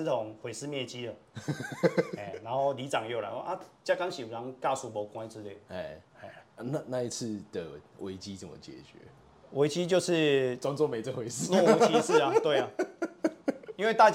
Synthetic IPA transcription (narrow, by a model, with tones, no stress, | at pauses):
t̪ʰo˨˦ŋxwe˨˩ɪsɹ̩˥˧mjɛ˥˩t͡ɕi˦ə˨ | e˨˩na˧˦nxo˥˩ʊli˧˦t͡sɑ˨˩ŋjo˥˩ʊla̰˨˧˦wo˥˧˦ʔa˦˧t͡ɕja˥˧ka˥˦ŋɕi˨˩a˧˦ŋka˥˩su˨˦bo˨˩kwa˧˦ɪt͡sɹ̩˧le˥˩ɛ˨˩e˨˩˧na˥˧na˥˧i˦t͡s̩ʰ˥˩d̪̥ə˩wʔe˧˦ɪt͡ɕi˦t͡sə˨˦mə̰˨t͡ɕjɛ̰˨˩t͡ɕɥɛ̰˨˧˦ | wʔe˧˥ɪt͡ɕi˦t͡ɕjo˥˧ʊʂɻ̩˥˧t͡swa˥˦ŋt͡swɔ˥˦me˨˦t͡sə˥˩xwe˨˧˦ɪsɹ̩˥˨nɔ˥˧˨o˧˥t͡ɕi˦˧˦s̩˥˨a˨t̪we˥˩ɪa˨ | i˥nwe˥˧ɪa˥˧t͡ɕ